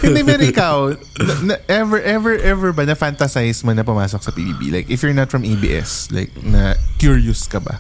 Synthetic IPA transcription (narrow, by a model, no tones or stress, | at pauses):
hɪ̃nd̪ɪmɛɾɪkaw | nɐnɐʔɛvɛɹʔɛvɛɹʔɛvɛɹbɐnɐfant̪ɐsajsmonɐp̬ʊmaːsok̚sɐpibḭːbḭlajkʔɪfjʊɹnɐt̪fɹɐmʔejbḭːʔɛ̰sla̰ɪk̚nɐ̰kjuɹjʊskɐbɐ̰